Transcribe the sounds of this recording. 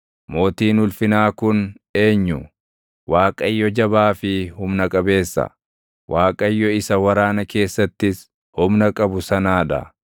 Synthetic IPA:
mo̞ːt̪iːnʊlfɪnaːkʊn | e̞ːɲːʊ | waːkʼɐjːɔd͡ʒɐbaːfɪhʊmnɐkʼɐbe̞ːsːɐ̰ | wʔaːkʼɐjːɔɪsɐwɐɾaːnɐke̞ːsːɐt̪ːɪs | hʊmnɐkʼɐbʊsɐnaːᶑɐ̰

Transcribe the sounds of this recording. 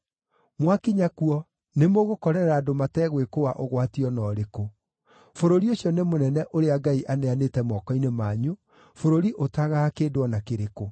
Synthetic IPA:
mwakiɲakuɔ | nemoɣokɔɾɛɾɛɾaːdomatɛɣwekowaʔoɣwatiɔnɔːɾeko | foɾoɾioɕjɔnemonɛnɛʔoɾeaɡaiʔaneanetɛmɔkɔinemaːɲu | foɾoɾiʔotaɣaakedwɔnakeɾeko

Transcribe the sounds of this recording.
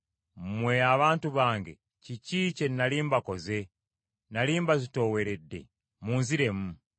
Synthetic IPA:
mweaβaːntuβaːŋɡḛ | ciciːce̞nːaliːmbako̞ze̞ | naliːmbazito̞we̞ɾedːe̞̰ | muːnziɾe̞mu

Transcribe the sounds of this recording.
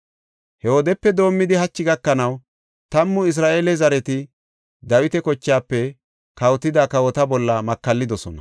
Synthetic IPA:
hɛwɔd̪ɛpːɛd̪o̞ːmːɪd̪ɪɦɐt͡ʃːɪɡɐkːɐnɐw | t̪ɐmːʊɪs̬ɾaːʔeːlɛzɐɾɛt̪ɪ | d̪ɐwɪt̪ɛkɔt͡ʃːaːpːɛ | kɐwt̪ːɪd̪akɐwɔt̪ɐbɔlːɐmɐkːɐlːɪd̪ɔsɔnɐ

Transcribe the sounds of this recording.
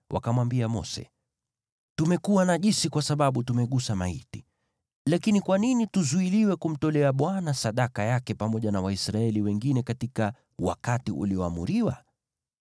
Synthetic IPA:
wʔa̰kamwambiamɔ̰sɛ̰ | tumɛkuwanaʄisikwasaɓaɓutumɛɠusama̰ḭti̥ | lakinikwaninituzuiliwɛkum̩tɔlɛaɓwanasaɗakajakɛpamɔʄanawaisɾaɛliwɛŋɡinɛkatika | wa̰katiʔṵliɔamṵɾiwa̰

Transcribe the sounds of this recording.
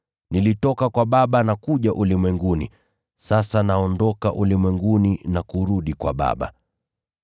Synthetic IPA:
nilitɔkakwaɓaɓanakuʄaʔulimwɛŋɡunḭ | sasanaɔndɔkaʔulimwɛŋɡuninakuɾuɗikwa̰ɓa̰ɓa̰

